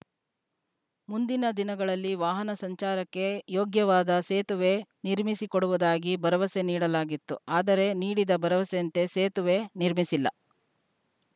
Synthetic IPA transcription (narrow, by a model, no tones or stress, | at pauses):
mund̪inɐd̪inɐɡɐɭɐlːiʋaːɦɐnɐsɐɲt͡ʃaːɾɐkːe̞joːɡjɐʋaːd̪ɐseːt̪uʋe̞niɾmisikoɽuʋud̪aːɡibɐɾɐʋɐse̞niːɽɐlaːɡit̪ːṵaːd̪ɐɾe̞niːɽid̪ɐbɐɾɐʋɐseɐnt̪e̞seːt̪uʋe̞niɾmisilːɐ̰